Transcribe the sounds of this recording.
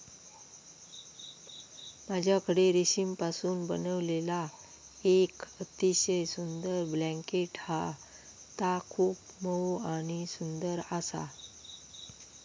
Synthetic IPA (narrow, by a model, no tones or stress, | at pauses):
mad͡ʑʱjakəɽeɾiɕimpasuːnbə̰nəʋlela | ekət̪iɕəjsund̪əɾblɛ̃ŋkeʈha | t̪akʰuːpməwaɽ̃isund̪əɾasa̰